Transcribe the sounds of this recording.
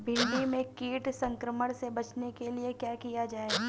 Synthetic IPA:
bʱɪ̃ɳɖimẽkiːʈsɐ̃ŋkɾəməɽ̃sebɐt͡ʃnekeliekjaːkijad͡ʒaːe

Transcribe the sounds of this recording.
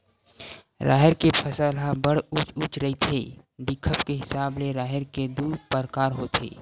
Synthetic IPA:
ɾʔa̰ːɦɪɾkepʰəsəlɦãbəɽ̤ut͡ʃut͡ʃɾəɦit̪ʰe | d̪ɪkʰːəpkeɦɪsaːbleɾaːɦəɾked̪uːɾpəɾkaːɾɦoːt̪ʰḛː

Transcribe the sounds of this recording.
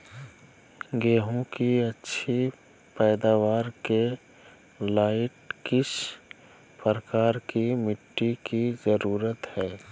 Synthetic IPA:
ɡeːɦõkiɐtːʃʰi | pɛːd̪aːʋaːɾke | laːɪʈ̚kɪʃ | pəɾəkaːɾkimɪʈːikizəɾuːɾət̪hɛː

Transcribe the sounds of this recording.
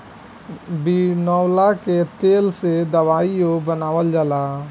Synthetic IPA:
binɔːwlaket̪eːlsed̪ɐʋaːijobənaːʋəld͡ʒəlaː

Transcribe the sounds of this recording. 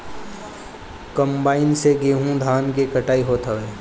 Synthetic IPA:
kəmbaːɪnseɡeːɦũd̪ʱaːnkekəʈaːiɦoːt̪ɦəʋeː

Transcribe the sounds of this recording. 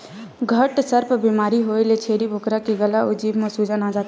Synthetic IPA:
ɡʱəʈsəɾpbimaːɾiɦojlet͡ʃʰeɾibʱokɾakeɡəlaud͡ʒibmesud͡ʒanad͡ʒaːt̪

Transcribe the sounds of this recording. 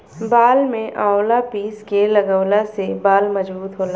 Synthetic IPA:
baːlmẽʔãːolapiːskelɐɡəwlasebaːlmɐd͡ʒbuːt̪ɦoːla

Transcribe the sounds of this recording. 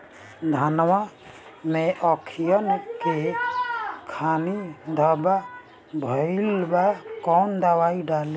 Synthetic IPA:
d̪ʱanwameʔɔkʰijənke | kʰanid̪ʱəba | bʱəɪlbakɔnd̪awaiɖale

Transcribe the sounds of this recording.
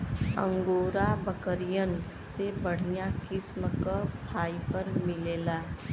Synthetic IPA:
ə̰̃ŋɡoːɾabəkəɾijən | sebəɽ̤ijãkɪsməkəpʰaːipəɾmɪleːlaː

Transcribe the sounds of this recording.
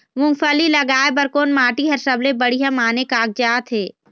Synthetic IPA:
mʊ̃ŋɡfʰəlilɐɡaːebəɾkoːnmaːʈiɦɐɾsəblebəɽijãmaːnekaːk̚d͡ʒaːt̪ʰɦeː

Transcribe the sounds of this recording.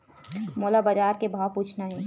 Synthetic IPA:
moːlabad͡ʒaːɾkebʱaːwpuːt͡ʃʰnaɦɛː

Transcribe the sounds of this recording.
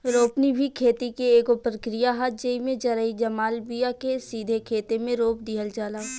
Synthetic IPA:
ɾoːpnibʱikʰeːt̪ikeeːkopɾəkɾijaɦat̪̚ʰd͡ʒəimẽd͡ʒɐɾəid͡ʒɐmaːlbijakesiːd̪ʱekʰeːt̪emẽɾoːp̚d̪iːɦəld͡ʒaːlaː

